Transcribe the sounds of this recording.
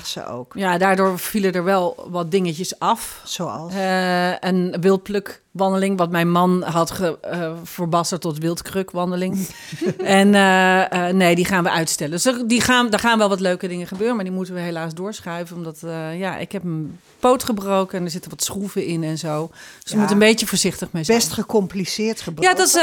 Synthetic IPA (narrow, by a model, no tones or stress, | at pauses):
sə̰o̰wkjadaːɹdʊːɹv̥ilədəɹʋɛlˠʋɑt̚dɪŋəcəsɑfso̰lˠ | ənʋɪlˠt̚pløk | ʋɑndəlɪŋʋɑtmɛjnmɑnɦɑtχəv̥əɹbɑstətɔtʋɪlˠtkrøkʋɑndəlɪŋ | ɛn | nejdiχaːnʋəʔœɥtstɛləndøsdədiχaːndəɹχaːnʋɛlˠʋɑtløɥkədɪŋəχəbøːrənmaɹdimutənʋəɦelaːsdʊːɹsχœɥvənɔmdɔtjaʔɪ̰kɦɛpən | powtχəbrowkəɛndəɹzɪtəɹʋɔtsχuvəɪnɛnzowdsjəmutənbejjəfoːɹzɪχtəχmeɛstχəkɔmplisɪːtχəbjadɔts